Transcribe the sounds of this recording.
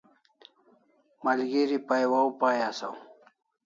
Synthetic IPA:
mɐlɡiɾipajwawpaːjasa̰w

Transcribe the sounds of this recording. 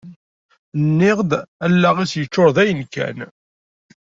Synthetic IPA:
nːɪʁd̪ælːæʁæsjət͡ʃːʊɾˤðæjənkæ̰n

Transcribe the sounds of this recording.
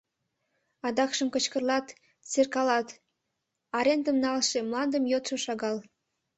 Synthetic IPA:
ɑd̪ɑkʃəmkət͡ɕkərlɑt̪ | t͡serkɑlɑt̪ | ɑɾent̪əmnɑlʃemlɑnd̪əmjot̪ʃoʃɑɣɑl

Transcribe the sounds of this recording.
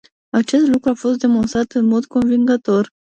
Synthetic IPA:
at͡ʃe̞st̪lukɾuafo̞st̪̚d̪e̞mo̞nst̪ɾat̪ɨnmo̞d̪ko̞nviŋɡət̪o̞r

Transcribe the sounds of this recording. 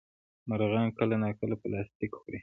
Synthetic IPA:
maɾɣɑnkəlanakəlapəlɑst̪ikxoɾi

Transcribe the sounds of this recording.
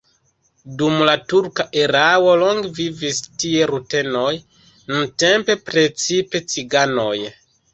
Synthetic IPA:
dumlatuɾkaʔeɾawo̞loŋɡvivistie̞ɾute̞noj | nunte̞mpe̞pɾe̞t͡sipe̞t͡siɡanoj

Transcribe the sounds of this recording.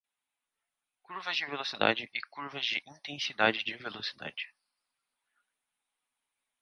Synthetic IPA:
kuɾvɐzd͡ʒɪvelosid̪a̰d͡ʒɪʔɪkuɾvɐzd͡ʒɪʔĩnt̪ẽsid̪ad͡ʒɪd͡ʒɪvelosid̪a̰d͡ʒɪ

